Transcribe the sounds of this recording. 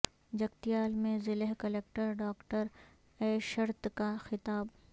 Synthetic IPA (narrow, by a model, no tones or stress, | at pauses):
d͡ʒɐkt̪ijaːlmẽzɪleɦkɐleːk̚ʈəɾɖaːkʈəɾ | ɛːʃɐɾt̪kaxɪt̪aːb